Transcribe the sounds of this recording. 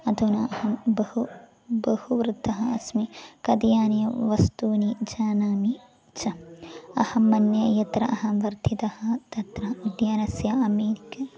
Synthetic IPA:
ɐd̪ʱunɐhɐbɐhu | bɐhuʋɾɨt̪ːɐɦɐɐsmikɐd̪jaːnjɐʋɐst̪uːnid͡ʒaːnaːmi | t͡ʃɐɐhɐmɐnjɐjɐt̪ɾɐʔɐɦɐʋɐɾt̪ʰit̪ɐhɐt̪ɐt̪ɾɐud̪jaːnɐsjɐɐmeːɾikɐ

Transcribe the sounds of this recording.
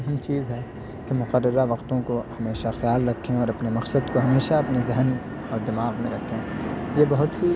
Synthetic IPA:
ɦɐmt͡ʃiːzɦɛ | kemʊqəɾːəɾaʋɐqt̪õkohɐmeːʃaxjaːlɾɐkʰːẽɔːɾɐpnemɐqsəd̪koɦɐmeːʃaɐpnezɪɦən | ɔːɾd̪ɐmaːɣmẽɾɐkʰːẽːjebɐɦʊt̪ɦi

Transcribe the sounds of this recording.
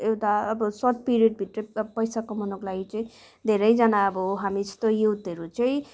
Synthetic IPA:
ewʈaʌbʌsʌrʈ̚piɾiʌɖ̚bʱiʈ̪repʌjsakomʌnoklaɡit͡sʌĩ | d̪ʱeɾʌjd͡zʌnaʌbʌɦamit̪ojewt̪ʌɾut͡sʌĩ

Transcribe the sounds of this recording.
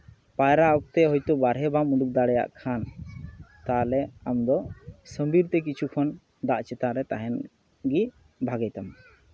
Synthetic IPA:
pajɾaɔk̚t̪ɛɦɔjt̪ɔbaɾɦɛbamuɖuk̚d̪aɽɛja̰ʔkʰan | t̪alɛamd̪ɔsəmbiɾt̪ɛk̬it͡ʃʰukʰɔn | d̪aʔt͡ʃɛt̪aɾɛt̪aɦɛn | ɡi | bʱaɡajt̪am

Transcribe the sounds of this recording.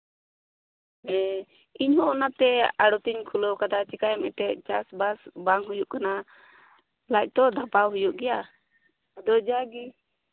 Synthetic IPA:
ɛ̃ | iɲɦɔʔɔnat̪ɛaɽɔt̪iɲkʰulɔwkad̪at͡ʃikajmɛt̪ɛʔt͡ʃasbasbaŋɦujuʔkana | lac̚ˀt̪ɔd̪ʱapawɦujuʔɡɛja | d̪ɔd͡ʒaɡi

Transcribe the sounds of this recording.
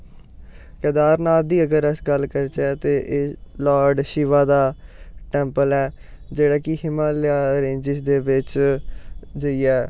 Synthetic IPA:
kɛːd̪aːɾnaːld̪iːəɡəɾəsɡəlkəɾt͡ʃɛːt̪eːʔeːlaːɾɖʃɪʋaːd̪aːʈɛ̃ːmpəlɛː | d͡ʒeːɽaːkɪɦɪmãːlɪaːɾẽːɲd͡ʒɪsd̪eːʋɪt͡ʃ | d͡ʒəiɛː

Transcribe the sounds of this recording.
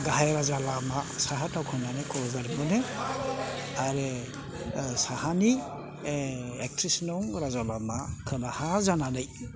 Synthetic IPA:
ɡaɦajɾazalamasaɦatʰawkʰɯnanɯjkɔlɡaɾbɯne | aɾe | sahani | ek̚tʰɾisnɔŋɾazalamakʰɯnahazananɯj

